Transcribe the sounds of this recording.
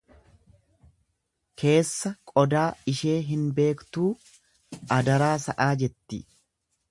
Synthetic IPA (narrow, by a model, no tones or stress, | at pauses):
kʰe̞ːsːɐkʼɔd̪aːɪʃe̞ːɦɪnbe̞ːkt̪uː | ɐd̪ɐɾaːsɐʔaːd͡ʒɛt̪ːɪ